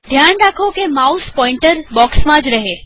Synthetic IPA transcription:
d̪ʱjanɾakʰokemauspɔ̃ɪ̃ɳʈəɾbɔksmãd͡ʒɾəɦe

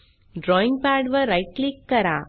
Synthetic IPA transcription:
ɖɾɔːɪ̃ŋpaːɾɖʋɐɾɐɪʈ̚klikːɐɾãː

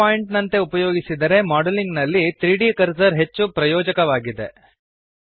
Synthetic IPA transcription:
aːjiɳʈnɐnt̪e̞upɐjoːɡisid̪ɐɾe̞maːɖɐliŋɡnɐlːit̪ɾiːɖikɐɾsɐɾɦe̞t͡ʃːupɾɐjɔːd͡ʒɐkɐʋaːɡid̪e

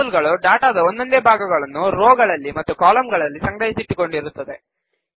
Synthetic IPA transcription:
lɡɐɭuɖaːʈaːd̪ɐond̪o̞nd̪eːbʱaːɡɐɡɐɭɐnːuɾoːɡɐɭɐlːimɐt̪ːukaːlɐmɡɐɭɐlːisɐŋɡɾɐɦisiʈːiko̞ɳɖiɾut̪ːɐd̪e̞

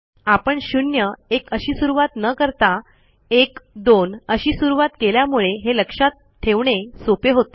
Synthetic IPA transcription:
apəɳɕunjəekəɕiːsuɾuʋat̪nəkəɾt̪a | ekd̪onəɕiːsuɾuʋat̪keljamuɭeɦeləkʂat̪ | tʰːeʋɳesopeɦot̪

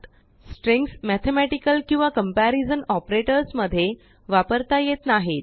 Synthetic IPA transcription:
t̪ | sʈɾẽŋksmæt̪ʰemæʈikəlkĩw̃ʋakəmpæɾizənɔpɾeʈəɾsməd̪ʱːje | ʋapəɾt̪ajet̪naɦet̪

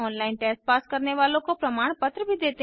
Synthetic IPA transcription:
ɔːnlaːɪnʈeːspaːskɐɾneʋaːlõkopɾɐmaːɽ̃pɐt̪ɾəbʱid̪eːt̪

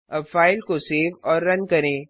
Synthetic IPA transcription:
ɐbfaːɪlkoseːʋɔːɾːɐnkɐɾẽː

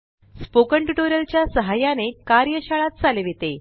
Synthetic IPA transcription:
spokəɳʈuʈoɾjəlt͡ɕjasəɦajanekaɾjəɕaɭat̪̚t͡saleʋit̪e

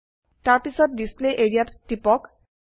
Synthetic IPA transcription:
taɹpisɔt̚displeʔeɹijattːipɔk

